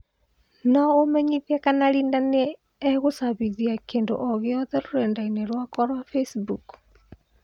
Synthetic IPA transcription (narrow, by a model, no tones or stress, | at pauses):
nɔomɛɲiðiɛkanaɾiːndaneː | ɣosaβiðiakeːndo̰ʔɔɣjɔðɛɾoɾɛndainɛɾwakɔɾwafesbuk